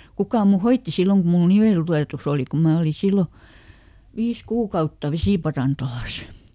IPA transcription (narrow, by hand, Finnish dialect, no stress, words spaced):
kukɑˑ mu hoitːi silːoŋ ku mul̆ niʋeltuleˑtus oˑli ku mæː oli silːo ʋiːs kuːkɑutːɑ ʋesiˑpɑrɑntolɑs